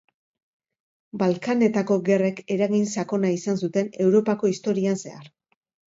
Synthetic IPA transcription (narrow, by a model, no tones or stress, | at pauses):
balkane̞t̪ako̞ɣe̞re̞ke̞ɾaɣinsako̞naisansut̪e̞ne̞wɾo̞pako̞ist̪o̞ɾianse̞̰aɾ